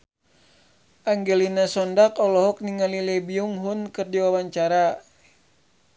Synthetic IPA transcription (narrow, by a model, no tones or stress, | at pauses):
ʔaŋɡɛlinasɔndakɔlɔɦɔk̚niŋalilɛbiuŋɦunkɨrdiwawaɲt͡ʃaɾa